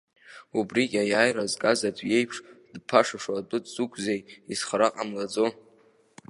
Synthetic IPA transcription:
ubrikʲʼajaːjrazkʼazadʷʰʼje̞jpʰʂdpʰaʂaʂwatʼʊtʰʼz̥ukʷʰzejisχaɾaqʼamlad͡zo

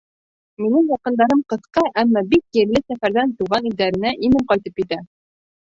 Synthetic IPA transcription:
minɘŋjɑqɤ̆nd̪ɑɾɤmqɤ̆θqɑʔæmːɑbik̚jɘ̆ɾlɘsæfæɾðænt̪uʁɑnild̪æɾɘ̆næʔinɘmqɑjt̪ɤp̚kit̪æ

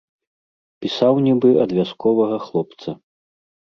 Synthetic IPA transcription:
pʲisawnʲibɨʔɐd̪vʲaskʰɔvɐɣɐxlˠɔpt̪sɐ

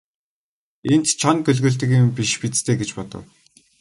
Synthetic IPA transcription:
en̥t̪t͡ɕʰɔnɡɵɮɣɵ̆ːɮt̪ɘ̆kjʊmpiʃpit͡st̪ʰeːɡet͡ɕpɔt̪ɞ̰̆w

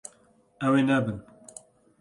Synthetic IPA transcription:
ɛweːnɛbɨn

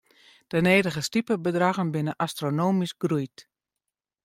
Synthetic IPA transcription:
d̥əneːdəɣəstipəbədraɣənbɪnəʔastronoːmisɡrujt

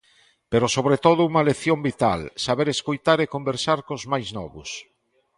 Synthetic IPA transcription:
peɾosoβɾet̪oðʊuŋɐleθjombit̪a̰lsaβeɾeskojt̪aɾekombeɾsaɾkozmajznɔ̰βʊs

